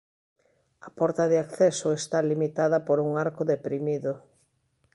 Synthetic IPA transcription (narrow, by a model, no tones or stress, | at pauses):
ɐpɔɾt̪ɐðɪakθɛsʊest̪alimit̪aðɐpoɾuŋaɾkʊðepɾimiðʊ